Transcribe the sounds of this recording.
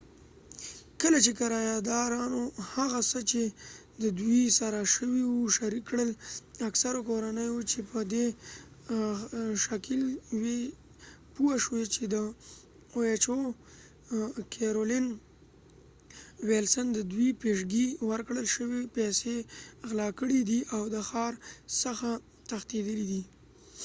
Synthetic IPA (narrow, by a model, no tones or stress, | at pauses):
kəlat͡ʃekaɾɑjad̪ɑɾɑnohaɣasət͡ʃe | d̪əd̪wisaɾaʃəwiwuʃaɾikːɽəlaksaɾokoɾanəjut͡ʃepəd̪e | ʃakɪlwe | puaʃwet͡ʃed̪ə | ojet͡ʃo | kʰeɾolɪn | welsənd̪əd̪wipeʃɡiwəɾkɽəlʃəwepeseɣlɑkəɽid̪iʔawd̪əxɑɾsəxa | t̪axt̪ed̪əlid̪i